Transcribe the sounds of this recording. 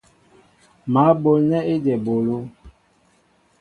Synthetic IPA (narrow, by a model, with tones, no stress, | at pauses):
ma˨˦bo˨lnɛ˦i˦dɛ˨bo˨lo˦